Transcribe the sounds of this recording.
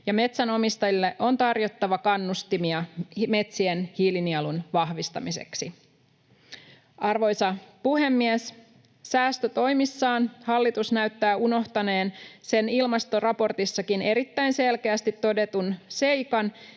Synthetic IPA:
jɑme̞t̪sæno̞mist̪ɑjilːe̞ʔo̞nt̪ɑrjo̞t̪ːɑʋɑkɑnːust̪imiɑme̞t̪sienhilniɑlunʋɑhʋist̪ɑ̰mise̞̰ksi | ʔɑrʋo̞jsɑpuɦe̞mːies | sæːst̪øt̪o̞jmisːɑːnhɑlːit̪usnæyɥt̪ːæːuno̞ht̪ɑne̞ːnse̞nilmɑst̪o̞rɑpo̞rt̪isːɑkine̞ɾit̪ːæjnse̞lkeæst̪it̪ːo̞de̞t̪unse̞jkɑn

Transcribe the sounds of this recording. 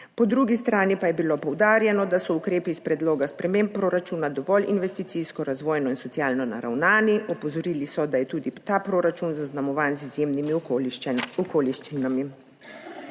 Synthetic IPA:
pɔd̪ɾuɡist̪ɾaːnipajɛbilopɔwd̪aːɾjɛnɔd̪asɔukɾeːpiːspɾɛd̪loːɡaspɾɛmempːɾoːɾat͡ʃuːnad̪ɔʋɔlinʋɛst̪it̪siskɔɾazʋɔːjnɔinsɔtsjaːlnɔna̰ɾa̰wnaːniʔɔpɔzɔɾiːlisɔd̪ajɛt̪uːd̪it̪apɾoːɾat͡ʃunzaznamɔʋaːnzizjeːmnimi | ɔkoːliʃt͡ʃinami

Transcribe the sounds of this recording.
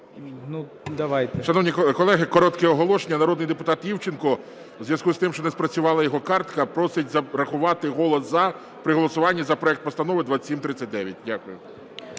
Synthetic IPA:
nu | d̪ɐʋajt̪ɛʃɐnɔwnʲikkɔlˠɛɦɪkɔɾɔt̪kɛɔɦɔlˠɔʃenʲːɐnɐɾɔd̪nɪjd̪epʊt̪ɑt̪jʲiwt͡ʃɪnkɔ | wzʲʋjɐskust̪ɪmʃt͡ʃɔnespɾɐt͡sʲʊʋɑlˠɐjɔɦɔkɑrt̪kɐpɾɔsɪtʲzɐɾɐxʊʋɑt̪ɪɦɔlˠɔszɐ | pɾɪɦɔlˠɔsʊʋɑnʲːɐzɐpɾɔɛk̚t̪pɔst̪ɐnɔʋɪd̪ʋasʲimt̪ɾɪt͡sʲːɐtʲd̪ɛʋʲjɐt̚ʲdʲakʊjʊ

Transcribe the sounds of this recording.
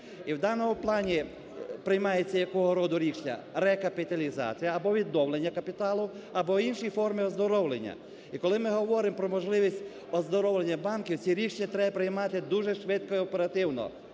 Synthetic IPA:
iwd̪ɑnɔmʊplˠɑnʲi | pɾɪjmɑjet͡sʲːɐjɐkɔɦɔɾɔd̪ʊɾʲiʃnʲɐ̰ɾɛkɐpɪt̪ɐlʲizɑ̰t͡sʲijɐːbɔʋʲid̪nɔwlˠenʲːɐkɐpʲɪt̪ɑlˠʊ | ɐbɔinʃijfɔrmiɔzd̪ɔɾɔwlˠenʲːɐ̰ | ikɔlˠɪmɪɦɔʋɔɾɪmpɾɔmɔʒlˠɪʋʲisʲtʲ | ɔzd̪ɔɾɔwlˠenʲːɐbɑnkʲiwt͡sʲiɾʲiʃnʲɐt̪ɾɛbɐpɾɪjmɑt̪ɪd̪uʒɛʃʋɪt̪kɔiɔpɛɾɐt̪ɪwnɔ̰

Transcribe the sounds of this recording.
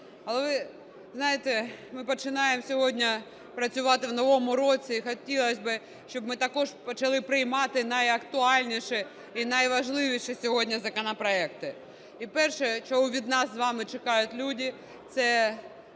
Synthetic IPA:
ɐlˠɛʋɪ | znɑjɪt̪ɛmɪpɔt͡ʃɪnɑjemsʲɔɦɔdʲnʲɐ | pɾɐt͡sʲʊʋɑt̪ɪʋnɔʋɔmʊɾɔt͡sʲiːxɔtʲilˠɐsʲbɪ | ʃt͡ʃɔbmɪt̪ɐkɔʒpɔt͡ʃɐlˠɪpɾɪjmɑt̪ɪnɐjɐkt̪ʊɑlʲnʲiʃɛ | inɐjʋɐʒlˠɪʋʲiʃɛsʲɔɦɔdʲnʲɐzɐkɔnɐpɾɔɛkt̪ɪ | ipɛrʃɛt͡ʃɔɦuʋʲid̪nɑsːʋɑmɪt͡ʃɪkɑjʊtʲlʲudʲi | t̪sɛ

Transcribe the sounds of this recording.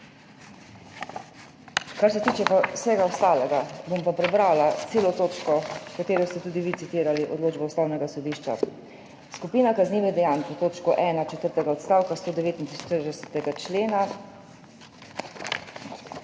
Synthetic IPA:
kaɾsɛt̪iːt͡ʃɛpasɛɡaɔst̪aːlɛɡabompapɾɛbɾalat̪seːlɔt̪oːt͡ʃkɔkat̪eːɾɔst̪ɛt̪uːd̪iʋit̪sit̪iːɾaliʔɔ̰d̪loːd͡ʒbɛust̪awnɛɡasɔd̪iːʃt͡ʃa̰ | skupiːnakazniːʋɛd̪ɛjaːnkɛt̪oːt͡ʃkɔʔɛːnat͡ʃɛt̪əɾt̪ɛɡaɔt̪st̪aːwkast̪oːd̪ɛʋeːt̪int̪ɾiʃt̪əɾdɛsɛt̪ɛɡat͡ʃleːna

